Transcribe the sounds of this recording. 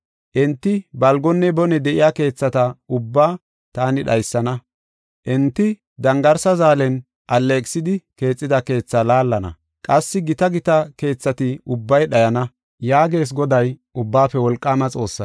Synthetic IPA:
ʔɛnt̪ːɪbɐlɡɔnːɛbɔnɛd̪ɛʔɪjaːke̞ːt͡sːɐt̪ɐʊbːaː | t̪aːnɪɗɐjsːɐnɐ | ʔɛnt̪ːɪ | d̪ɐŋɡɐɾsɐzaːlɛn | ʔɐlːekʼsɪd̪ɪke̞ːt͡sʼːɪd̪ɐke̞ːt͡sːalaːlːɐnɐ̰ | kʼɐsːɪɡɪt̪ɐɡɪt̪ɐke̞ːt͡sːɐt̪ɪʊbːɐjɗɐjɐnɐ | jaːɡe̞ːs̬ɡɔd̪ɐjʔʊbːaːpːɛwɔlkʼːaːmɐt͡sʼo̞ːsːɐ

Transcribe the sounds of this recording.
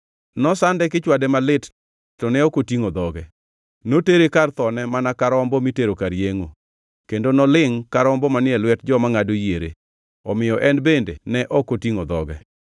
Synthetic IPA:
nɔsandɛkɪt͡ʃwadɛmalɪt | tːɔnɛɔkotiŋod̪ɔɡɛ | noteɾekart̪ɔnɛmanakaɾɔmbɔmiteɾokaɾjeŋo | kendonɔlɪŋkaɾɔmbɔmanɪɛlwɛtd͡ʒɔmaŋadojeɾḛ | ɔmɪjɔʔɛnbendenɛʔɔkotiŋod̪ɔ̰ɡɛ

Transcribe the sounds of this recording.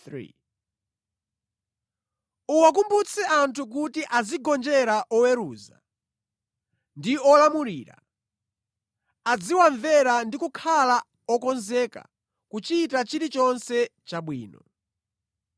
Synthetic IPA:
uwak̬umbut͡sʰɛʔantʰuk̬utiʔad͡ziɡɔnd͡ʒɛɾaʔɔwɛɾuːza̰ | ndiɔlamuɾiːɾa̰ | ad͡ziwaɱvɛɾandikukʰala | ɔkɔnzɛːka̰ | kut͡ʃitat͡ʃiɾit͡ʃɔnsɛt͡ʃaɓwiːnɔ

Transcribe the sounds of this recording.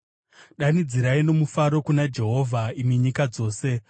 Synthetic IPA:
ɗanid͡ziɾaino̞mufaɾo̞kunad͡ʒe̞ɦo̞vʱaimiɲikad͡zo̞ːse̞

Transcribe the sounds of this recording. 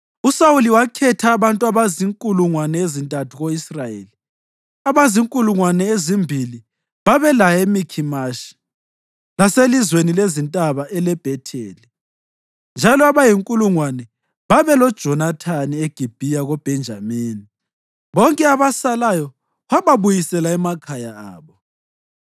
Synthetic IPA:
usawuliwakʰɛtʰaːβantʼuaβaziŋkʼuluŋwanɛezintʼatʰuɣoisrajḛli | aβaziŋkʼuluŋwanɛezimbʱili | βaβɛlajemikʰimaʃi̥ | laselizwenilezintʼaβaʔɛlɛb̥ʱɛtʰeːli | nd͡ʒʱalɔaβajiŋkʼuluŋwanɛ | βaβɛlɔd̥ʒ̥ʱɔnatʰanieɡ̥ʱib̥ʱijaɣob̥ʱɛnd͡ʒʱamiːni | βɔŋkʼɛaβasalajɔ | βaβaβujisɛlaɛmakʰajaa̰ːβɔ

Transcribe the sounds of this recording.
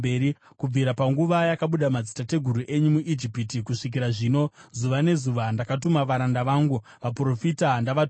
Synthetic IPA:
beɾi | kub͡viɾapaŋɡuʋajakaɓuɗamad͡zitate̞ɡʱuɾuʔe̞ɲumuʔid͡ʒipitikuʂik̬iɾaʐiːno̞zuʋane̞zuʋandakatumaʋaɾandaʋaːŋɡu | ʋapro̞fitandaʋat

